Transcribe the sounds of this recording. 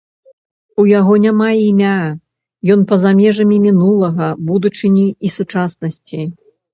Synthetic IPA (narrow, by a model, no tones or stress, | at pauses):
ujaɣɔnʲamaimʲa | jɔnpɐzamʲɛʐɐmʲimʲinulˠɐɣɐbud̪ut͡ʂɨnʲiisut͡ʂasnɐsʲt͡sʲi